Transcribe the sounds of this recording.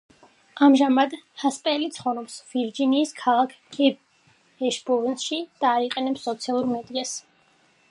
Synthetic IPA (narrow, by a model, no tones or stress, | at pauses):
amʒamad̪haspʼɛlit̪sʰχɔnɔpsviɾd͡ʒiniːskʰalˠakʰ | ɛ | ɛʃbɔvnʃid̪̥aːiqʼɛnɛpsːɔt̪sʰialˠuɾmɛd̪ias